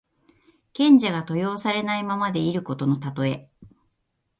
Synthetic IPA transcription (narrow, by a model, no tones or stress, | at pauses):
kẽ̞ɲ̟d͡ʑaɡat̪o̞jo̞ːsaɾe̞naimamad̪e̞iɾɯ̟ko̞t̪o̞no̞t̪at̪o̞e̞